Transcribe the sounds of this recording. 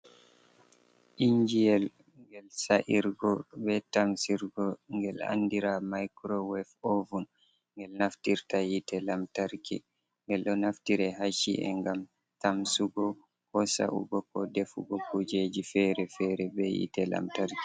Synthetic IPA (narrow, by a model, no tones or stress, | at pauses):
ʔiɲd͡ʒijɛl | ŋɡɛlsaʔiɾɡɔbɛtamsiɾɡɔŋɡɛla̰ndiɾamajkɾɔwɛfovun | ŋɡɛlnaftiɾtajitɛlamtaɾkḭ | ŋɡɛlɗɔnaftiɾɛɦaʃḭʔɛ̰ŋɡam | tamsuɡɔ | kɔsa̰ʔṵɡɔkɔdɛfṵɡɔkʰud͡ʒed͡ʒifɛɾɛfɛɾɛbɛjḭtɛla̰mtaɾki̥